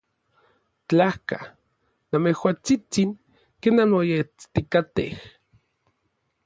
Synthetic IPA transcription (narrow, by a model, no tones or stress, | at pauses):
t͡ɬahka | namehwaːt͡sit͡siŋ | kenanojet͡st̪ikat̪ḛh